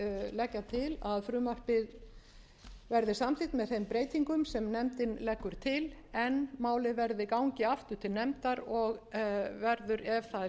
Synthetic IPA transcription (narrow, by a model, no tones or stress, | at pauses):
lɛcːat̪ʰɪlaðfɾʏːmar̥pɪ | vɛɾðɪsamt̪iht̪mɛðθejmpɾeːjt̪iŋkʏmsɛmnɛmt̪ɪnlɛkːʏɾ̥t̪ʰɪlɛnmaːwlɪvɛɾðɪkawɲcɪaft̪ʏ̥t̪ʰɪlnɛmt̪aɾɔɣvɛɾðʏɾɛv̥θa